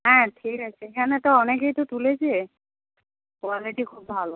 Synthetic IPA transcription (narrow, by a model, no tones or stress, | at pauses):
ɦɛ̃ʈʰikat͡ɕʰeekʰanet̪ɔɔnek̬ejt̪ot̪uled͡ʑʰe | koaleʈikʰubːʱalo